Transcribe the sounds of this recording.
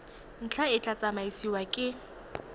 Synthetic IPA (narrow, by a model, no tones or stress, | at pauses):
n̩t͡ɬʰaɪt͡ɬat͡sʼamaisiwakʼɪ